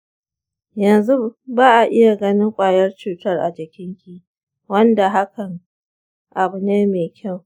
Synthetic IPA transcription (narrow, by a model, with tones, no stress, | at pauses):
jɐ˨nzu˦baː˦ʔa˨ʔɪ˦ja˨ɡɐ˦nɪ˦ŋkʷʼaː˨jɐ˦rt͡ʃuː˨tɐ˦rʔa̰˨d͡ʒɪ˨kʲɪ˦ŋkʲi˦ | wɐ˦nda˨ɦa˦kɐ˨ŋ | ʔa˨bʊ˨neː˦meː˨kʲʰa˦˨w